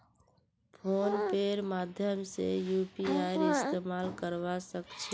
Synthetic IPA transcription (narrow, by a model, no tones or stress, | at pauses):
pʰoːnpeɾmad̪ʱjəmsḛjupiajɾɪst̪emalkəɾʋasəkt͡ʃʰi